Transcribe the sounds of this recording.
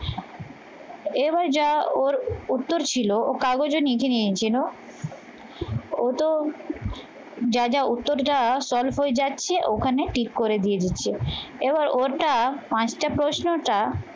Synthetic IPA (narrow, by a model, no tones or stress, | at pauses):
ebaɾd͡ʑaoɾut̪ːoɾt͡ɕʰilookaɡod͡ʑonikʰeniet͡ɕʰilo | ot̪o | d͡ʑad͡ʑaut̪ːoɾʈasɔlfɦoed͡ʑatːɕʰeʔokʰaneʈikːoɾed̪ijed͡ʑitːɕʰeebaɾoɾʈapãt͡ɕʈapɾosnoʈa